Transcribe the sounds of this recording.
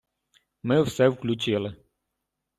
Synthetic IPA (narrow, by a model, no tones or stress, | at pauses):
mɪwsɛwklʲut͡ʃɪlˠɪ